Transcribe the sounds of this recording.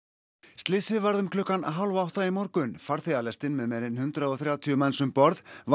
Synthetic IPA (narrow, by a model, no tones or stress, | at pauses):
st̪lɪsɪðvaɾðʏmkʰlʏkːanaɦawlvaawht̪aimɔɾkʏnfaɾ̥θealɛst̪ɪnmɛðmɛːɾɪnhʏnt̪ɾaðɔθɾjawt̪ʰijʏmɛnsʏmpɔɾð̥v